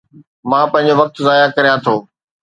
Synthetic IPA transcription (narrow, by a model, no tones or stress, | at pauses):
mãːpɐ̃ɦɪ̃ɲ̆d͡ʑoʋɐk̚t̪zaːjakɐɾijãt̪ʰoː